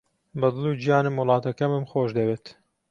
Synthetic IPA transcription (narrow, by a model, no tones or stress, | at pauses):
bɐd̪ɨlˠud͡ʒijɑːnɨmwʊlˠɑːt̪ɐkɐmɨmxoːʃd̪ɐbeːt̪